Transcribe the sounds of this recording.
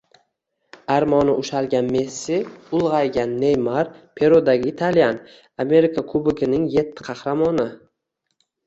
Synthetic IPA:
aɾmɒnɪʔʊʃalɡʲanme̞sːɪʊlˠʁɑjɡʲanːe̞jmaɾpʰe̞ɾod̪aɡʲɪːt̪ʰalijan | ame̞ɾɪkʰakʰʊbɪkʰʲɪnɪŋje̞t̪ʰːɪ̥qʰɑhɾamɒnɪ

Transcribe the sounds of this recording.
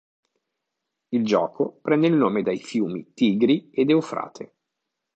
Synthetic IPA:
ild͡ʒɔːkʰopɾɛnːeilnoːmed̪ajfjuːmḭt̪iːɡɾied̪eufɾa̰ːt̪ʰḛ

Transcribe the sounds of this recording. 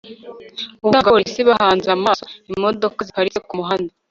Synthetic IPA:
uβuaŋɡaɾisiβahaːnzamaːsoimo̞do̞kazikaɾizekumuɦanda

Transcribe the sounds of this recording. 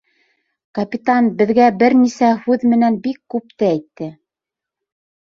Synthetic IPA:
kɐpʲit̪anbɘ̆ðɡæbɘɾnisæhʉðmɘ̆nænbikːʉp̚t̪ɘæjt̪ːɘ

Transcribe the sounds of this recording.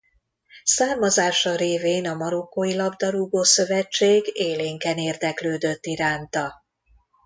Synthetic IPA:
saːrmɒzaːʃɒɾeːveːnɒmɒɾo̞kːoːjilɒbd̪ɒɾuɡoːsø̞vɛt͡ʃːeːɡeːleːŋkɛneːrd̪ɛkløːd̪ø̞t̪ːiɾaːnt̪ɒ

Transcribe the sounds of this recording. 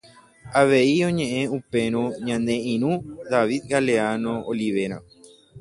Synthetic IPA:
aʋe̞iõ̞ɲẽ̞ʔẽ̞upe̞ɾ̃õɲãnd̪e̞ʔĩɾ̃ũd̪aʋid̪ɡaleanooliʋe̞ɾ̃a̰

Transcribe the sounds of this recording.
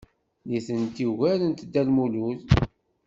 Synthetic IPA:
liθənt̪iɣælənt̪d̪ːælmuluθ

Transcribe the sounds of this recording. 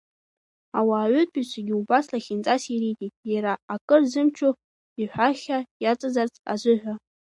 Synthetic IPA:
awaːʕʷʏtʰʼit͡ɕʷʰaɡʲiubaslaχʲint͡sʼasiritʼitʼjaɾaːkʼɨrzɨmt͡ʃʰo | iħʷᶣaχʲajat͡sʼazart͡sʰʼa̰zʷʊħᶣʷa

